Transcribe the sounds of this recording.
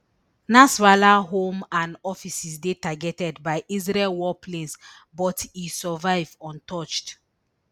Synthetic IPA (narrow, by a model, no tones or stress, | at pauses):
nasvalaɦõmãnɔfisisdetaɡɛtɛdbaɪʔizɹɛlwɔplẽns | bɔtisɔvaɪvɔ̃ntʰɔt͡ʃt